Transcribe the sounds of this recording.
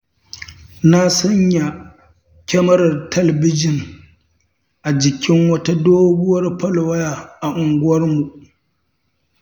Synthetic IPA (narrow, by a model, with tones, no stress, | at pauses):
na˦sɐ˦ɲja˨ | kʲɛ˦mɐ˦ɾɐ˨rtʰɐ˦lɛ˨bɪ˦d͡ʒɪ˨n | ʔa˨d͡ʒɪ˨kʲɪ˦ŋwɐ˦ta˦doː˦ɡʊ˦wɐ˦rpɐ˦lwɐ˦ja˨ʔa˨ʔʊ˨ŋɡʷʊ˦wɐ˦rmu˨